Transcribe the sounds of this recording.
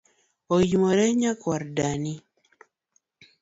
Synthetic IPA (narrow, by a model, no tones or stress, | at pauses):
ojimɔɾɛɲakwaɾdani